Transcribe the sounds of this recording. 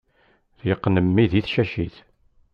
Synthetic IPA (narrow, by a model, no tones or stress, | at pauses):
θjəqːnəmːiðiθʃæʃiθ